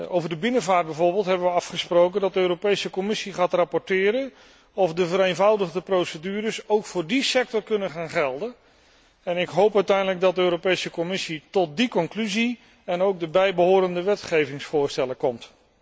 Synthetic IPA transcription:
owvəɹdəbɪnəvaːɹd̚bɛjvʊːɹbɪːlˠtɦɛbəʋəɑfχəsprowkəndɑt̚dəøːɾopejsəkɔmɪsiχaːtrapɔɹtɪːɾən | ɔfdəvəɾejnvɑwdəχdəprowsədyːɾəsowkfʊːɹdisɛk̚tɔɹkɵnəχaːnχɛlˠdən | ɛnɪkɦowpœɥtɛjndələɡ̚dɑt̚dəøːɾopejsəkɔmɪsitɔt̚dikɔŋklyzi | ɛnowk̚dəbɛjbəɦʊːɾəndəʋɛtχejvɪŋsfʊːɹstɛləkɔmt

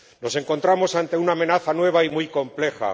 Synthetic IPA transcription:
no̞se̞ŋko̞nt̪ɾamo̞sant̪e̞unaːme̞naθanwe̞β̞aimujko̞mple̞xa̰

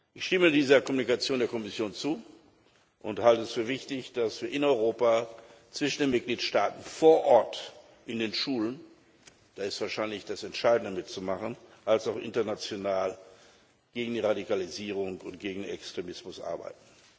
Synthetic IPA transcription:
ʔɪçʃtɪmədiːzɐkɔmunikat͡sjoːndeːɐkɔmɪsjoːnt͡suː | ʔʊnthaltəɛsfyːɐvɪçtɪçd̥asv̥iːɐʔɪnɔʏʁoːpat͡sv̥ɪʃn̩deːnmɪt̚ɡ̥liːtʃtaːtn̩foːɐʔɔɐt | ʔɪndeːnʃuːlən | d̥aːɪstv̥aːɐʃaɪnlɪçd̥asɛntʃaɪdn̩dəmɪtt͡sumaχənʔalsaʊxʔɪ̰ntɐnat͡sjonaːl | ɡ̥eːɡŋ̩diːʁadikaliziːʁ̞ʊŋkʊntɡ̥eːɡŋ̩denɛkstʁ̥emɪsmʊsʔa̰ɐba̰ɪtn̩

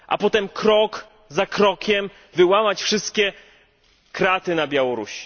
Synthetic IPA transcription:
ʔa̰pɔt̪ɛmkɾɔk | zakɾɔkʲɛm | vɘwamat͡ɕfʂɘst̪kʲɛ | kɾat̪ɘnabʲjawɔɾṵɕi̥

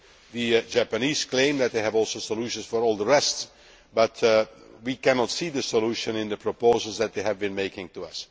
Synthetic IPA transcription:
ðɨd͡ʒæpɨniz̥klẽɪ̃md̪ɨt̪̚d̪eɪævɔlˠsoʊsəluʃə̃nsfɔɹɔlˠdəɹɛsts | bʌtʰwikænɔtsiðɨsəluʃə̃nɪ̃nðəpʰɹ̥ɔpoʊzəlˠzðæt̪̚deɪævbɨ̃nmeɪkɪ̃ŋtuʌs

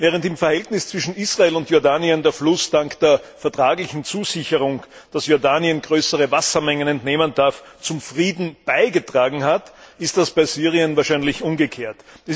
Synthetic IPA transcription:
vɛːʁ̞əntɪmfɛɐhɛltnɪst͡sv̥ɪʃn̩isʁaeːlʊntjɔɐdaːniəndeːɐflʊsd̥aŋkd̥eːɐfɛɐtʁ̥aːɡlɪçn̩t͡suːzɪçəʁʊŋ | d̥asjɔɐdaːniənɡʁøːsəʁəvasɐmɛŋənɛntneːməndaɐft͡sʊmfʁiːdn̩b̥aɪɡətʁ̥aːɡŋ̩hatɪstd̥asb̥aɪsyːʁiənvaːɐʃæɪnlɪçʔʊmɡəkʰeːɐtɛs

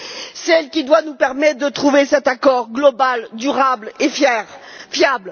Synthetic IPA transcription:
sɛlkʲid̪wanupɛʁmɛt̪̚d̪ət̪χuvesɛt̪akɔʁɡlɔbald̪yʁablefɛʁ | fjabl

